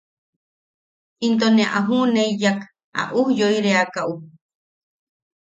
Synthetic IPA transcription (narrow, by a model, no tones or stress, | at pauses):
int̪̬onẽaʔaɦuneijak | a̰ʔuhjoiɾeakaʔu